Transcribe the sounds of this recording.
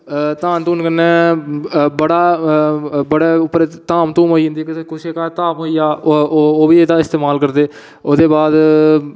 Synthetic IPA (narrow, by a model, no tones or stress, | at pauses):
t̪aːnt̪uːnkənːɛ̃ː | bəɽaː | bəɽeːʊpːɾeːt̪aːmt̪ũːmoːiːɦʊ̃nd̪iɛːkɪkʊʃeːkat̪aːmoːiːaːoːbiːeːd̪aːɪst̪eːmaːlkəɾd̪eː | oːd̪eːbaːd̪